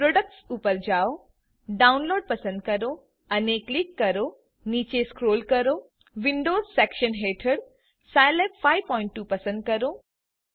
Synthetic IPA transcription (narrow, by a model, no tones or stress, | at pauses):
pɾoːɖək̚ʈsupəɾd͡ʑaːo | ɖaʊnloːɖ̚pɐsə̃nd̪̚kɐɾo | ɐneklikːɐɾoː | niːt͡ɕeskɾoːlkɐɾoː | ʋɪɳɖoːzsɛːkʃənɦeːʈʰəɽ | sajlepfaɪʋpɔːɪ̃ɳʈːuːpɐsə̃nɖ̪̚kɐɾoː